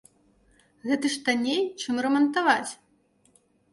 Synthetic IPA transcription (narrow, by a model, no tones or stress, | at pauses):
ɣɛt̪ɨʂt̪anʲejt͡ʂɨmrɛmɐnt̪avat͡sʲ